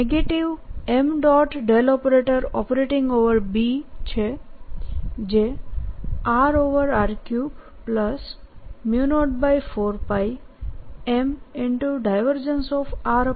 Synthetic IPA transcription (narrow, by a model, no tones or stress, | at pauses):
eɡeʈiʋemɖɔʈɖelɔpəɾeʈəɾɔpəɾeʈɪ̃ŋɡoʋəɾbit͡ʃʰe | d͡ʒe | aɾoʋəɾaɾkju | pləsmjunoʈ̚bajfoɾpaj | emɪɳʈuɖajʋəɾd͡ʒənsɔfaɾ